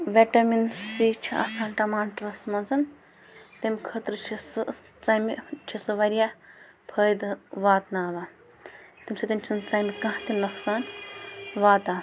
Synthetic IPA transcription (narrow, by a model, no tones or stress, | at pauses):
ʋeʈɐminsit͡ʃʰia̰ːsaːnʈɐmaːnʈɾɐsmɐnzɐn | t̪emʲkʰət̪ɾɨt͡ʃʰisɨ | t͡sɐmit͡ʃʰisɨʋɐɾija | pʰəːjd̪ʋaːt̪naːʋa | t̪imsɐt̪imt͡ʃʰint͡sɐmikɐ̃ɦt̪inoksaːn | ʋaːt̪aː